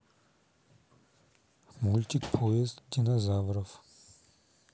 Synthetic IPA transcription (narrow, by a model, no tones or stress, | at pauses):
mulʲt̪ʲikpʰoest̪ʲːinazavɾɔf